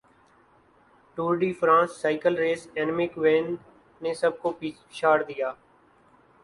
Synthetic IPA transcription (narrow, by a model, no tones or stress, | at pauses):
ʈuːɾɖiːfʰɾãːsːaːɪkəlɾeːsɛːnmɪkʋẽːn | neːsəb̚koːp | ɪʃaːɾd̪ɪjaː